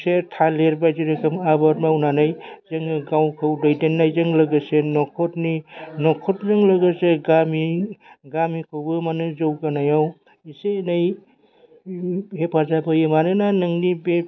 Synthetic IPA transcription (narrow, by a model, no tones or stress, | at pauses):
setʰaleɾbajziɾekʰɯmabatmawnanajzɯŋɯɡawkʰɯwdajdenːajzɯŋlɯɡɯsenɔkʰɔtninɔkʰɔtzɯŋlɯɡɯseɡamiɡamikʰɯwbɯmanɯzɯwkanajaw | isenaj | hepʰazabɯjemanɯnanɯŋnibe